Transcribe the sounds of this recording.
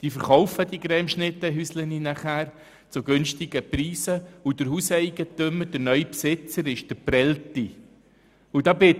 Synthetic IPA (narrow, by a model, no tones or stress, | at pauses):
d̥iːfəɾχɔʊfədiɡɾɛmʃnɪtːəɦysləninaχæːɾ | t͡sʊɡʏnstɪɡəpriːsəudəɾɦuːsɛɪɡ̥ətøməd̥əɾnœʏpsɪt͡səɾɪʃd̥əpɾɛlti | ʊdɑːbɪ